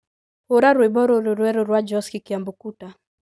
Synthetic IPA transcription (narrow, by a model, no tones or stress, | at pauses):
huɾaɾwibɔɾuɾuɾwɛɾuɾwad͡ʒɔskikiambukuta